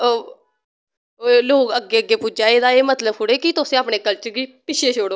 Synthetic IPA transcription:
oː | loːkəɡːeːəɡːeːpʊd͡ʒaːeːd̪aːeːmət̪ləbkʊɽeːkit̪ʊsẽːaːpɳeːkəlt͡ʃəɾɡiːpɪʃʰeːʃʰoːɽoː

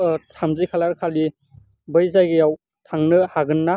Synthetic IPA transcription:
tʰamzijkʰalaɾkʰali | bɯjzajɡɯjaw | tʰaŋnɯhaɡɯnːa

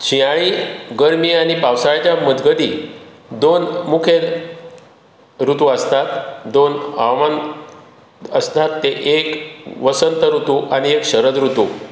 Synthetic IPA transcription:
t͡ɕʰiaɭiːɡəɾmiːaɽ̃ipawsaɭt͡ɕjaməd̪ɡəd̪i | d̪onmukʰel | ɾut̪uəst̪at̪d̪ona̰man | əst̪at̪ːeʔekʋəsənt̪əɾut̪uʔaɽ̃iekɕəɾəd̪ɾut̪u

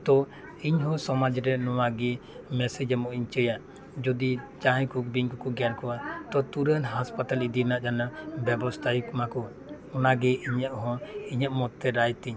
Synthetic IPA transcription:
t̪ɔ | iɲɦɔ̃sɔmad͡ʒɾɛnɔwaɡɛ | mɛsid͡ʒɛmɔʔiɲt͡ʃəjaʔ | d͡ʒɔd̪it͡ʃaɦj̃kukbiɲkɔkɔɡankɔwat̪ɔt̪uɾənɦaspat̪alid̪inaʔd͡ʒanabɛbɔst̪ʰajikmakɔ | ɔnaɡɛiɲəʔɦɔ̃iɲəʔmɔt̪ːɛɾajt̪iɲ

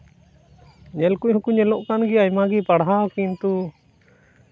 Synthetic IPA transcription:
ɲɛlkuʔhukuɲɛlɔʔkanɡiajmaɡipaɽɦaɔkint̪u

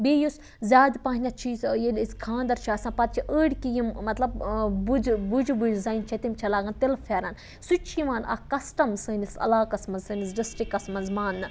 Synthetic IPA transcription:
bejos | zʲaːd̪paːɦinʲɐt͡ʃʰisjelʲskʰãːnd̪ɐɾt͡ʃʰiɐsãːpɐt̪̚t͡ʃʰiʔəːɽʲkijimmɐt̪lɐbbud͡ʒbud͡ʒbud͡ʒzɐːjnt͡ʃʰɐt̪imt͡ʃʰɐlaːɡɐnt̪ilfʰeːɾɐn | sut͡ʃʰiʋaːnʔɐ̰kɐsʈɐmsɨːnisɐ̰laːkɐsmɐnzsɨnisɖisʈɾikɐsmɐnzmaːnːɨ

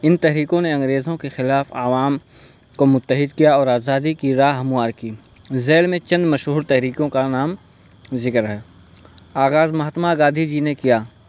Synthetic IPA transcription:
ɪnt̪ɛɦɾiːkõneɐ̃ŋɡɾeːzõkexɪlaːfa̰ːʋaːm | komʊt̪ːəɦɪd̪kijaɔːɾaːzaːd̪ikiɾaːɦɦɐmʊaːɾkiː | zeːlmẽt͡ʃɐ̃nd̪mɐʃɦuːɾt̪ɛɦɾiːkõkanaːm | zɪkɾɦɛ | aːɣaːzmɐɦət̪maɡãːd̪ʱid͡ʒinekijaː

